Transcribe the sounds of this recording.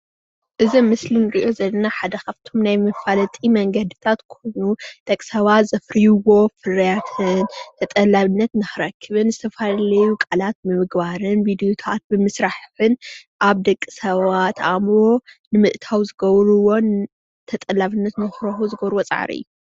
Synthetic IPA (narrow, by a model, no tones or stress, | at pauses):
ʔɨzɐmɨslinɨɾiʔo̞zɐlːɐnaħad̪ɐkʰaβt̪ʰo̞mnajmɨfalɐt̪ʼimɐŋɡɐd̪ɨt̪ʰat̪kʰo̞jnud̪̥ɐkʼsɐβat̪zɐfɾijuwo̞fɨrɐjat̪ʰɨnt̪ʰɐt̪ʼɐlaβɨnːɐt̪nɨxɨɾɐkʰːɨβɨnzɨt̪ʰɐfalɐjukʼalat̪̚mɨmɨɡbaɾɨnbid̪ijot̪ʰat̪̚bɨmɨsɾaħħɨnʔaβd̪ɐkʼːi̥sɐβat̪amɾo̞nɨmɨʔt̪ʰawzɨɡɐβɾuwo̞n | t̪ʰɐt̪ʼɐlaβɨnːɐt̪nɨxɾɐħuzɨɡɐβɾwot͡sʼa̰ʕa̰ɾḭɨ̰jːu